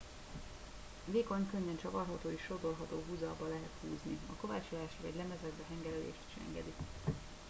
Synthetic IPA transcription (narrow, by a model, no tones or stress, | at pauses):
veːko̞ɲkøɲːɛnt͡ʃɒvɒrɦɒt̪oːiʃːo̞d̪o̞lɦɒt̪oːɦuːzɒbɒlɛɦɛt̪huːzniɒko̞vaːt͡ʃolaːʃvɒɟlɛmɛzɛd̪bɛɦɛŋɡɛlɛlḛːʃt̪i̥ʃɛ̰ŋɡɛ̰d̪i